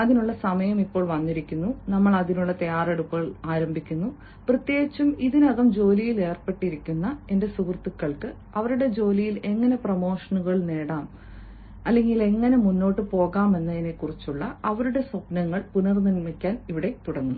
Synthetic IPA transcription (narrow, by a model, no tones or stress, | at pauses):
ɐðinuɭːɐsɐmɐjɐmipːo̞ːɭʋɐnːiɾikʲːunːunɐmːɐɭɐðinuɭːɐt̪ɐjaːre̞ɽupːɐɣɐɭaːɾɐmbʱikʲːunːu | prɐt̪jeːɡit͡ɕːumiðinɐðɐmd͡ʑo̞ːlijile̞ːrpe̞ʈːiɾikʲːunːɐe̞nde̞sukrt̪ːikːɐɭkɨ | ɐʋɐɾuɽe̞d͡ʑo̞ːlijile̞ŋːɐne̞prɐmo̞ːʂɐnuɣɐɭne̞ːɽaːm | ɐlːe̞ŋɡile̞ŋːɐne̞munːo̞ːʈːɨpo̞ːɣaːme̞nːɐine̞kːurit͡ɕːuɭːɐɐʋɐɾuɽe̞sɐpnɐŋːɐɭpunɐrninmikʲːaːniʋiɽe̞t̪uɽɐnːu